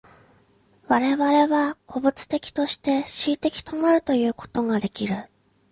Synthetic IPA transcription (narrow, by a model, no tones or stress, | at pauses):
βaɾe̞βaɾe̞βakʰo̞bɯ̟t͡sɨ̥t̪e̞kʲi̥t̪o̞ɕi̥t̪e̞ɕiːt̪e̞kʲi̥t̪o̞maɾɯ̟t̪o̞jɯ̟ːko̞̥t̪o̞ɡad̪e̞kʲiɾɯ̟